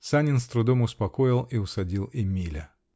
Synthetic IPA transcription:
sanʲɪnst̪ɾʊd̪omʊspɐkoɪlˠiʊsɐdʲilˠɪmʲilʲə

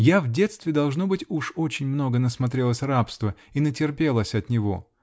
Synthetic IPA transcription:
javdʲe̞t̪st̪vʲɪd̪ɐlˠʐnobɨtʲuʂo̞t͡ɕɪnʲmno̞ɡənəsmɐt̪ɾʲe̞lˠəsʲrapst̪vəinətʲɪrpʲe̞lˠəsʲɐt̪nʲɪvo̞̰

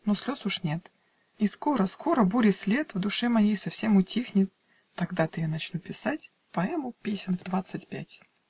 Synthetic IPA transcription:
nosʲlʲosʊʂnʲe̞t̪ | isko̞ɾəskʰo̞ɾəbuɾʲɪsʲlʲet̪vd̪ʊʂɛmɐjejsɐfsʲemʊtʲixnʲɪt̪ː | ɐɡd̪at̪ɨjanɐt͡ɕnupʲɪsatʲ | pɐɛmʊpʲesʲɪnvd̪vat̪sɨtʲpʲætʲ

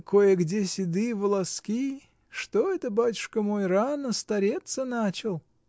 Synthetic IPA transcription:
kojəɡdʲesʲɪd̪ɨvəlˠɐskʲi | ʂt̪oɛt̪əbatʲʊ̥ʂkəmo̞jranəst̪ɐɾʲet̪sənat͡ɕɪlˠ

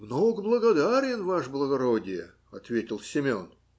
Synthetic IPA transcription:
mnoɡblˠəɡɐd̪aɾʲɪnvaʂblˠəɡɐɾodʲɪjə | ɐt̪vʲetʲɪlˠsʲɪmʲon

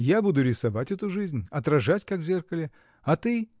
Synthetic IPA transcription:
jabud̪ʊɾʲɪsɐvatʲɛt̪ʊʐɨzʲnʲɐt̪ɾɐʐatʲkakvzʲerkəlʲɪ | ɐt̪ɨ

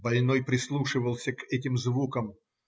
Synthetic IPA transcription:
bɐlʲnojpɾʲɪslˠuʂɨvəlˠsʲəkɛtʲɪmzvukəm

